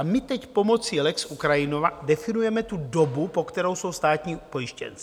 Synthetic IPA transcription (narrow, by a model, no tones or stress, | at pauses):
amɪt̪ɛcpo̞mo̞t͡siːlɛksʔukɾajɪnovadɛfɪnujɛmɛt̪udo̞bupo̞kt̪ɛɾo̞wso̞wst̪aːt̪ɲiːpo̞jɪʃcɛ̰n